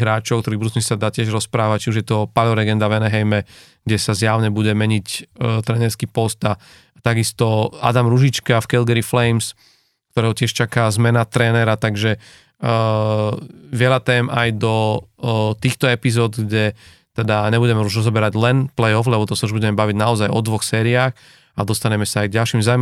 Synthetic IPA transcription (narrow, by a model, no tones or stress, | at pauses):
ɦɾaːt͡ʃɔkt̪ɔɾiːbuduzisad̪aːcɪɛʒɾɔspɾaːʋact͡ʃiuʒjɛt̪ɔpalɔɾɛɡɛnd̪avʋɛnɛɦɛjmɛ | ɡ̥ɟɛsazjaʊɲɛbuɟɛmɛɲict̪ɾɛːnɛɾskiːpɔst̪a | t̪aɡist̪ɔa̰d̪amɾuʒit͡ʃkafkɛlɡɛɾiflɛjms | kt̪ɔɾɛːɦɔcɪɛʃt͡ʃakazmɛnat̪ɾɛːnɛɾat̪aɡʒɛ | ʋɪɛʎat̪ɛːmajd̪ɔ | t̪iːxt̪ɔɛpizɔːd̪ɡɟɛ | t̪ɛd̪aɲɛbuɟɛmɛuʒɾɔzɔbɛɾaɟlɛnplɛjɔflɛbɔt̪ɔsauʒbuɟɛmɛbaʋiɟnaɔzajɔd̪ʋɔxsɛːɾiaːx | ad̪ɔst̪aɲɛmɛsaajɡ̚ɟalʃimzaːʊm